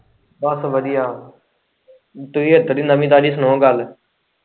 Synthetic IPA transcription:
bəsʋəd̪ijaː | t̪ʊiːɦəd̪əd̪iːnd̪amĩːt̪aːɖiːsnõːɡəl

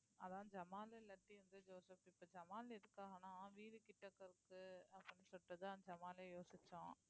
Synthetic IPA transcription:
ɐðãːd͡ʒɐmaːlelɐʈːiʋɐnd̪ɯd͡ʒoːsɐpːɪpːoːd͡ʒɐmaːlɪðɯkːaːɣɐnãːʋiːɾɯkɪʈːɐkːɐɾɯkːɯɐkɐnːisɔʈːɐðãːd͡ʒɐmaːleːjoːsɪt͡ʃːʊ̰̃ː

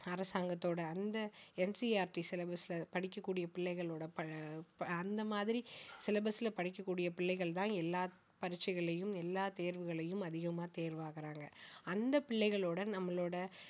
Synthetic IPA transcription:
ɐɾɐsaːŋɡɐt̪ːoːɽɐɐnd̪ɐɛnsiaːɾʈisɛlɐbɐsɪlɐpɐɽɪkːɐkːuːɽɪjɐpɪɭːɐɪɣɐɭoːɽɐpɐ | ɐnd̪ɐmaːðɪɾisɪlɐbɐsɪlɐpɐɽɪk̬ːɐkːuːɽɪjɐpɪɭːɐɪɣɐɭt̪ãːɛlːaː | pɐɾɪt͡ʃːɐɪɣɐɭɐjɯmɛlːaːt̪eːɾʋɯɣɐɭɐjɯmɐðɪɣɐmaːt̪eːɾʋaːɣɐɾaːŋɡɐɐnd̪ɐpɪɭːɐɪɣɐɭoːɽɐnɐmːɐɭoːɽɐ

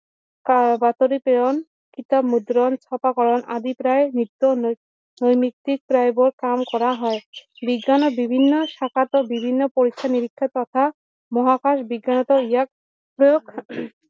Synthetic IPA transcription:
kabat̪oɾipeɹɔn | kit̪abmud̪ɾɔnt͡ɕʰɔpakɔɹɔnʔa̰d̪ipɾaenit̪ːɔ | nojmikt̪ːik̚pɾajbɔɾkamkɔɾaɦɔebiɡːanɔbibʱinːɔʃakʰat̪ɔbibʱinːɔpoɾikʰːaniɾikʰːɔt̪ɔt̪ʰa | mɔɦakaʃbiɡːanɔt̪ɔijak̚ | pɾɔjokʰ

